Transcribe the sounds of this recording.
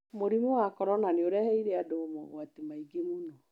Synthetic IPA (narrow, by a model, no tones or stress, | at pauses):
moɾimuwakɔɾɔnaneoɾɛhɛiɾeadoːmɔ̰watimaiɡemunɔ